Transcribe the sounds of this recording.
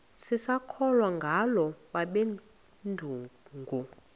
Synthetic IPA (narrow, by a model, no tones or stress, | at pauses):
sisakʰɔlwaŋɡʱalɔɓaɓe | ndʱuːŋɡʱu